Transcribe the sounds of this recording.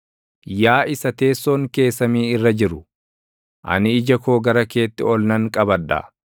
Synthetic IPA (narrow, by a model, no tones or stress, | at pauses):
jaːʔɪsɐt̪e̞ːsːoːŋke̞ːsːɐmiːɪrːɐd͡ʒɪɾʊ | ʔɐ̰nɪɪd͡ʒɐko̞ːɡɐɾɐke̞ːt̪ːɪɔlnɐŋkʼɐbɐdɐ̰